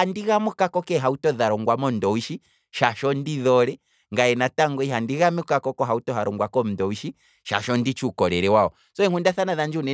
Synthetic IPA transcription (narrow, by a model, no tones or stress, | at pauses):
andiɣamukakɔkɛɦautɔðaɾɔŋɡwamɔndɔwiʃi | ʃaʃɔndiðɔɾɛ | ŋɡaɛnataŋɡɔiɦandiɣamɛkakɔkɔɦautɔɦaɾɔŋɡwakɔm̩ndɔwiʃi | ʃa̰ʃɔndit͡ʃukɔɾɛɾɛwaɔ | sɔɛŋkundaθanaðand͡ʒunɛ